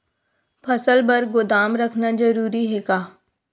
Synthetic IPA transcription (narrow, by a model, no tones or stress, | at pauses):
pʰɐsəlbɐɾɡʊd̪aːmɾɐkʰnad͡ʒɐɾuːɾiɦɛːɡaː